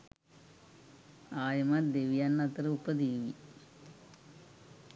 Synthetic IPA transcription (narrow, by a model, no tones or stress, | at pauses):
aːjɐmad̪eʋijanːɐt̪ːɐɾɐupːɐd̪iːʋi